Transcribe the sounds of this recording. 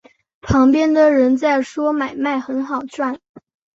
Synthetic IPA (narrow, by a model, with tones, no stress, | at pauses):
pʰɑ˧˥ŋpjɛ˥nd̪ə˨ɻə˧˥nt͡sa˥˩ɪʂwɔ˥ma˨˩ɪma˥˩ɪxə˧˥nxɑ˨˩ʊʈ͡ʂwa˥˩n